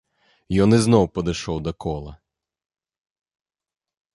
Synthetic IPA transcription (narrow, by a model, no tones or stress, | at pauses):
jɔnɪznɔwpɔd̪ɪʃɔwd̪ɔkɔlˠɐ̰